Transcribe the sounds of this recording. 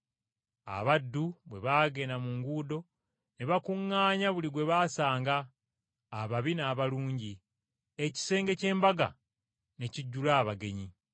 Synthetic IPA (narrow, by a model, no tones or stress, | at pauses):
a̰βadːuβwe̞βaːɡe̞namuŋɡuːdo̞ | neβakuŋːaːɲaβuliɡwe̞βaːsaːŋɡaː | βaβinaːβaluːɲɟi | eci̥se̞ːŋɡe̞ce̞ːmbaɡa̰ | ne̞ciɟːulaːβaɡe̞ɲi